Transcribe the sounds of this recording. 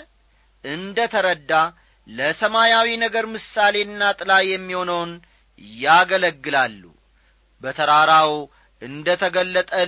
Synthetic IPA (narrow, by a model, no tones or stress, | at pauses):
ʔɨnd̪ət̪ʰəɾəd̪ːa | ləsəmajawinəɡəɾmɨsale̞nːat̪ʼɨlajːɛmːiho̞nəwn | jaɡələɡːɨlalːṵ | bət̪ʰəɾaɾaw | ɨnd̪ət̪ʰəɡəlːət̪ʼə